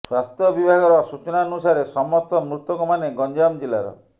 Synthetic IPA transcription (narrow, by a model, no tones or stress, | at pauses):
swast̪ʰjɔbibʱaɡɔɾɔsut͡ʃɔnaɔnusaɾesɔmɔst̪ɔmɾut̪ɔkɔmaneɡɔɲd͡ʒamd͡ʒila̰ɾɔ̰